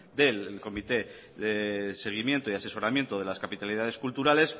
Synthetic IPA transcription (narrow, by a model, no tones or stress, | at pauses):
d̪e̞lko̞mit̪e̞ | ðese̞ɣ̞imje̞nt̪oiase̞so̞ɾamje̞nt̪oð̞e̞laskapit̪aliðaðe̞skult̪uɾale̞s